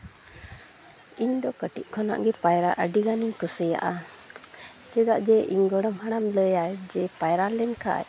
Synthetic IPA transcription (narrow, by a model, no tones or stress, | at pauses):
iɲd̪ɔkəʈiʔ̚ˀkʰɔna̰ʔɡɛpajɾaʔəɖiɡaniɲkɔsəja̰ʔa | t͡ʃɛɡ̪aʔd͡ʒɛʔiɲɡɔɽɔmɦaɽamləjad͡ʒɛpajɾalɛnka̰ʔa̰